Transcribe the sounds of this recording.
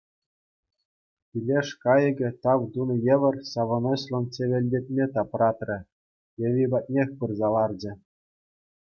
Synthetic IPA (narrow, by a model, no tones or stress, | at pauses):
pʲilʲeʂkɑjɘ̆ɡʲɘ̆t̪ɑʋd̪unɤ̆jĕʋʲɘ̆rʲsɑʋɤ̆noɕlˠɤ̆nt͡ɕʲeʋʲĕlʲdʲet̪ʲmʲet̪ɑprɑt̪rʲɘ̆ | jɘ̆ʋʲibɑt̪̚ʲnʲexʲpɯrzɑlˠɑrd͡ʑɘ̆